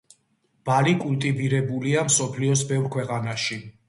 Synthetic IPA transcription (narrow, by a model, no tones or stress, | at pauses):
b̥alikʼult̪ʼiviɾɛbuliamsɔpʰliɔsbɛvɾkʰwɛqʼanaʃi